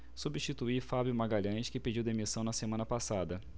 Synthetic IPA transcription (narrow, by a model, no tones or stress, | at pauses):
subiʃt͡ʃit̪uifabjʊmaɡaʎɐ̃ʃkɪped͡ʒiwd̪emisɐ̃w̃nɐsemɐ̃nɐpasad̪ɐ